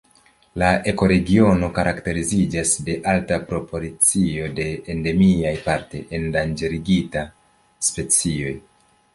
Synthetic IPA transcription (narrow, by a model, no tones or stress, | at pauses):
laʔe̞ko̞ɾe̞ɡio̞no̞kaɾʔakte̞ɾizid͡ʒasde̞ʔaltapɾo̞po̞lit͡sio̞de̞ːnde̞miajpaɾtḛendand͡ʒe̞ɾiɡita | spe̞t͡sio̞j